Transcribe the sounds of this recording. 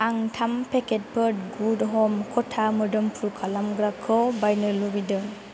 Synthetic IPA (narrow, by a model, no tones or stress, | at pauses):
aŋtʰampʰeket̚pʰəd̚ɡudɦɔmkʰɔtʰamɯdɯmpʰuɾkʰalamɡɾakʰɔwbajnɯlubidɯ